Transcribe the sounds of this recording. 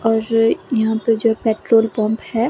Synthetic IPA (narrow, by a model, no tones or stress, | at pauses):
ɔːɾjɐɦãpɐɾd͡ʒoːɦɛpeːʈɾoːlpɔ̃ːmphɛ